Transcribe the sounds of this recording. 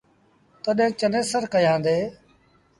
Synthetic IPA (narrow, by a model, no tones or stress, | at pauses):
t̪əɗɦẽːt͡ʃənẽːsəɾkəjãːnd̪eː